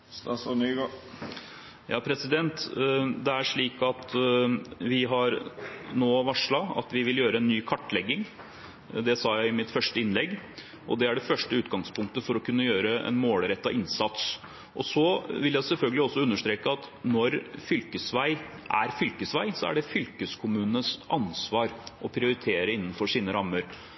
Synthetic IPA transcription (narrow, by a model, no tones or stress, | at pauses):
sɑsɔnyɡ | jɑ̰ːpʰɾɛsɪd̪ɛnt̪d̪ɛæʂɭiːkɑt̪ | ʋɪɦɑɾnoːʋɑʂɭɑɑ̰t̪ʋɪʋɪljøːɾəɛnːyːkʰɑʈːlɛɡːɪŋ | d̪ɛsɑːjæɪɪmɪt̪fœʂʈəɪnlɛɡː | ʔɔ̰d̪ɛæɖɛfœʂʈəʉːt̪̚ɡɑŋspʰʊŋk̚t̪əfɔɾɔkʰʉnːəjøːɾəɛ̰nmoːlɾɛt̪ːɑʔɪnsɑt̪s | ʔɔsɔʋɪljæɪsɛlfœlɡəlɪɔsːɔʉnːəʂt̪ɾeːkəɑt̪ | nɔɾfʏlkəsʋæɪʔæ̰ɾfʏlkəsʋæɪsɔæ̰ɖɛfʏlkəskʰʊmʉːnəsʔɑnsʋɑːɾʔɔpʰɾɪʊɾɪt̪ʰeːɾəɪnːənfɔʂiːnəɾɑmːəɾ